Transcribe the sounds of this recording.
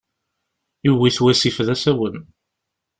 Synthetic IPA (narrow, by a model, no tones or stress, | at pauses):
iwiθwæsifðæsæwən